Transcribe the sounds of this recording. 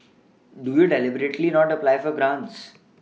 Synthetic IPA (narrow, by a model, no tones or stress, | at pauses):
ɖujuɖelɪbəɾeʈlinɔːʈəplaɪfɔɾɡɾãːɳʈs